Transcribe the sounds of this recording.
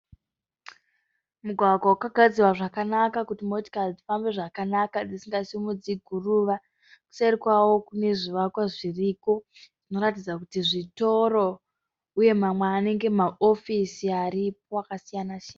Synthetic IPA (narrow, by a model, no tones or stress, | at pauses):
muɡʱwaɡʱaukaɡʱad͡ziwaʐakanakakutimoti̥kald͡zifambe̞ʐakanakad͡zisiŋɡasimud͡ziɡʱuruʋa | ku̥sarikwawo̞kune̞ʐiʋakwaʐiriːko̞ | ʐ̥ino̞ɾatid͡zakutiʐito̞ɾo | uje̞mamwaːne̞ŋɡe̞maʔofisiaɾipo̞akasijanaʃaːna